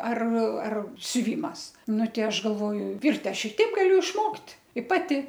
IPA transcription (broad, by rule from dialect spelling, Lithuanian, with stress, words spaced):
ɐr ɐr sʲʊˈʋʲiːmɐs ˈnʊ ˈtʲɛɪ ˈɐʃ ɡɐlˠˈʋoːjʊ ˈʋʲɪrʲtʲ ˈɐʃ ɪ ˈtʲɛɪp ˈɡɑːlʲʊ ɪʃˈmoːktʲ ɪ ˈpɑːtʲɪ